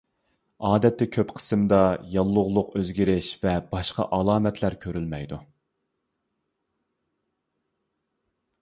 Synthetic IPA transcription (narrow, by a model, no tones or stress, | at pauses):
ɑːd̪ɛt̪ːɛkʲʰøpqʰə̥sɨmd̪ɑjɑlˠːʊʁlˠʊqøzɡʲiɾɪʃvɛb̥ɑʃqɑ̰ʔɑlˠɑːmɛt̪ʰlæɾkʲʰøɾylmɛjd̪u